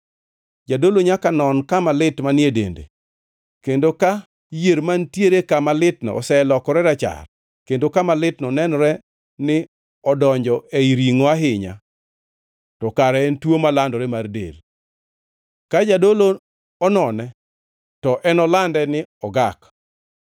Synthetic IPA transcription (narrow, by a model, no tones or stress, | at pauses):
d͡ʒadoloɲakanɔnkamalɪtmanɪedḛndḛ | kendoka | jeɾmantjeɾekamalɪtnɔ̰ɔ̰sɛlɔkɔɾɛɾat͡ʃa̰r | kendokamalɪtnɔnɛnɔɾɛ | nɪ | ɔdɔɲd͡ʒɔeiɾiŋoaɦɪɲa̰ | tɔkaɾɛɛntwomalandɔɾɛmardḛl | kad͡ʒadolo | ɔnɔnɛ | tɔʔɛnɔlandɛnɪɔɡak